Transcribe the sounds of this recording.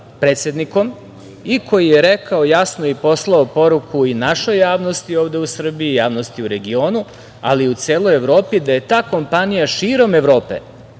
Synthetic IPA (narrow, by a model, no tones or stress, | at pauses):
pɾe̞ːt̪sʲe̞d̪niko̞m | ikʰo̞jijeɾekaojasnoipo̞slˠaopo̞ɾukʰuinaʃo̞jːaːʋno̞st̪io̞ːʋd̪e̞usr̩biiːjaːʋno̞st̪iuɾe̞ɡio̞ːnu | a̰liut̪seːlˠo̞je̞ʋɾo̞ːpid̪aje̞t̪aːko̞mpanijaʃiːɾo̞me̞ʋɾo̞ːpḛ